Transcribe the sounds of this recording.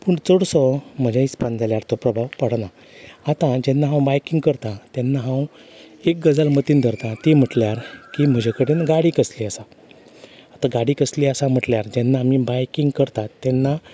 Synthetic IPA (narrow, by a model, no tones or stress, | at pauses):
puːɳt͡sɔɽsɔm̤əd͡ʑʱaispand͡zaljaɾt̪ɔpɾəbʱawpəɽna | at̪ãd͡ʑɛnːaɦãwbajkiŋɡ̚kəɾt̪ãt̪ɛnːaɦãwek̚ɡəd͡zalmət̪iːnd̪ʱəɾt̪ãt̪im̤əʈljaɾkim̤əd͡ʑʱekəɽenɡaɽikəsliːasa | at̪ãɡaɽiːkəsliːəsam̤əʈljaɾd͡ʑɛnːaːmibajkiŋɡkəɾt̪ãt̪ːɛnːa